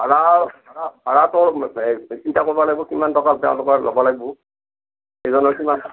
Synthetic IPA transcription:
aɹaaahaɹatɔɹ | itakobɔlaɡ̚bɔkimantɔkatɛ̰ʊ̰̃lʊkɔɹlɔ̰bɔlaɡ̚bɔ | ejzɔnɔɹkiman

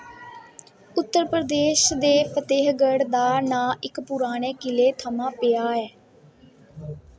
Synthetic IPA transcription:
ʊt̪ːəɾpɾəd̪eːʃd̪eːpʰət̪eːɦɡəɽd̪aːnãːʔɪkpʊɾaːɽ̃eːkɪleːt̪ʰəmãːpɪjaːɛː

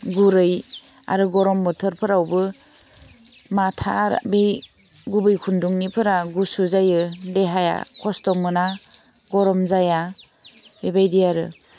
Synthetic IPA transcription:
ɡuɾɯj | a̰ɾɯɡɔɾɔmbɔtʰɯɾpʰɯɾawbɯ | matʰaɾbe | ɡubɯjkʰunduŋnipʰɯɾaɡusuzajɯdeɦaja̰kʰɔstɔmɯna | ɡɔɾɔmzaja | bebajdijaɾɯ

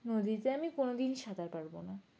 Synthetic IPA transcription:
nod̪it̪eamikonod̪inʃad̪ʱaɾpaɾbona

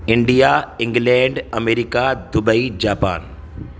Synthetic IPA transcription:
ɪ̃ɳɖijaɪ̃ŋɡlɛ̃ːɳɖɐmeːɾikad̪ʊbəid͡ʑaːpa̰ːn

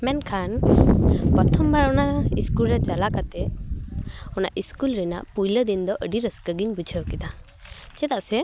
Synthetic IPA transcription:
mɛnkʰan | pɔt̪ʰɔmbʱaɾɔnaiskulɾɛt͡ʃalakat̪ɛ | ɔna̰ʔiskulɾɛna̰ʔpujləd̪ind̪ɔʔəɖiɾəskəɡiɲbud͡ʒʰʱəwkit̪a | t͡ʃɛt̪aʔsɛ

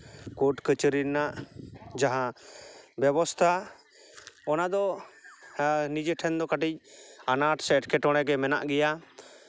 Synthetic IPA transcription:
kɔʈkət͡ʃəɾinaʔd͡ʒaɦã | bɛbɔst̪ʰa | ɔnad̪ɔ | nid͡ʒɛʈʰɛnd̪ɔkaʈic̚anaʈsɛːʈkɛʈɔɽ̃ɛɡɛmɛna̰ʔɡɛja

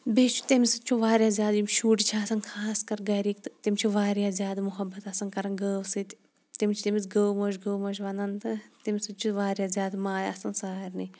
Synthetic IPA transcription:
beːt͡ʃʰu̥t̪imsɨt͡ʃʰuʋaːɾjaːzʲjaːd̪jimʃuːʈt͡ʃʰaːsɐnkʰaːskɐɾɡɐɾiːkt̪t̪imʲt͡ʃʰiʋaːɾjaːzʲjaːd̪mʊɦɐbːɐt̪ɐsɐnkɐɾɐnɡəːwsɨt̪ | t̪imt͡ʃʰt̪imit͡sɡəːwmoːʃɡəːwmoːʃʋɐnɐnt̪ɨt̪imsɨt͡ʃʰuʋaːɾjaːzʲjaːd̪maːjɐsɐnsaːɾni

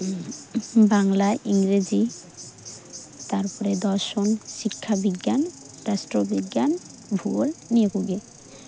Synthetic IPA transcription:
baŋlaiŋɾed͡ʑi | t̪aɾpɔɾed̪ɔɾʃonʃikʰːabiɡːan | ɾasʈɾobiɡːjan | bʱulːiekuɡe

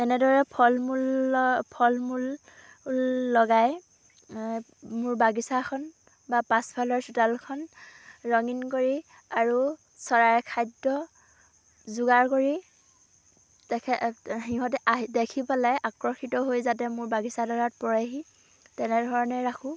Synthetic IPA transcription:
ɛnɛdɔɹɛpʰɔlmulpʰɔlmul | lːɔɡaj | mʊɹbaɡisakʰɔn | bapaspʰalɔɹsutalkʰɔnɹɔŋinkoɹi | aɹu | sɔɹaɹkʰajdɔ | zuɡaɹkoɹi | tɛkʰɛɦiɦɔt̬ɛʔadekʰipalajʔakɹɔxʰitɔɦojzat̬ɛmʊɹbaɡisadɔɹat̚pɔɹaɦi | tɛnɛdʱɔɹɔnɛɹakʰũ

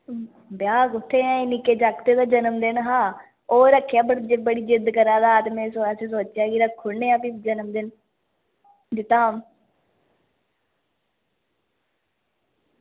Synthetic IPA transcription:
bjaːkʊt̪ʰːeːãːeːnɪkeːd͡ʒakt̪eːd̪aːd͡ʒənəmd̪ɪnɦãː | oːɾəkʰːjaːbəɽd͡ʒebəɽiːd͡ʒɪd̪kəɾaːd̪aːt̪emɛ̃ːsoases̬oːt͡ʃjaːɡiɾəkʰːʊɽneːaːpid͡ʒənəmd̪ɪn | d͡ʒɪt̪aːm

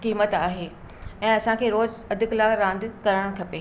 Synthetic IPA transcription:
kiːmət̪aːɦeː | ɛ̃ːɐsãkʰeːɾoːzɐd̪ʱɪklaɾãːnd̪kɐɾəɽ̃kʰɐpeː

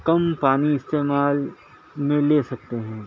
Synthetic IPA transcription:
kɐmpaːniɪst̪eːmaːl | mẽleːsɐk̚t̪eɦɛ̃ː

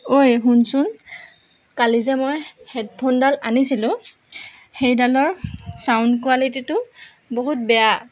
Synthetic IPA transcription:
ojɦunsʊn | kalizɛmojhɛdpʰɔndalanisilʊ̃ | xejdalɔɹsawnkualit̬itʊ | boɦut̚bɛja

